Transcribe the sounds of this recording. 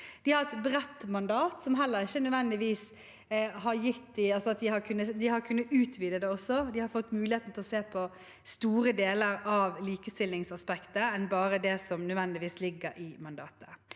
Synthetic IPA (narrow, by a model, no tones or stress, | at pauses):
d̪̥ɪhɑɾɛt̪bɾɛt̪ːmɑnd̪ɑːt̪sɔmɦɛlːəɾɪçːənʉʋɛnd̪ɪʋiːs | ɦɑɾjɪt̪ːɪɑlsɔɑt̪̚d̪ɪhɑkʰʉnːəd̪ɪhɑɾkʰʉnːəʉːt̪ʰʋiːd̪əd̪ɛɔsːɔd̪ɪhɑɾfɔt̪ːmʉːlɪheːt̪n̩t̪ʰɪlɔseːpʰɔ | st̪uːɾəd̪eːləɾɑʋliːkəst̪ɪlɪŋsɑspɛkt̪əɛnbɑːɾəd̪ɛsɔmnʉʋɛnd̪ɪʋiːslɪɡːəɾɪmɑnd̪ɑ̰ːt̪ə̥